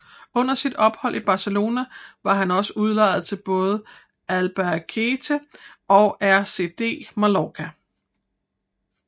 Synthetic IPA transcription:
ɔ̽n̰ɐsid̥ɒ̽b̥hɒ̽l̰ʔib̥ɑ̈səlo̝̰ːnæʋɑ̈ɦænɒ̽səuð̞ˠlɑ̰̈ɪð̩ˠt͡sʰe̝lb̥ɔ̽ːð̞̩ˠ | ælb̥ækʰe̝t͡sʰəɒ̽ʊʔæɐse̝̰d̥e̝̰ːmælɒkʰæ

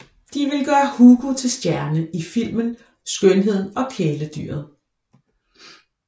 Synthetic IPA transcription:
d̥iʋe̝lɡ̥ɶːɐhuːɡ̥ut͡sʰe̝lsd̥jæɐnəʔifil̰mən | sɡ̥ønɦe̝ð̰ˠn̩ɒ̽kʰeːləd̥y̰ːɐð̩ˠ

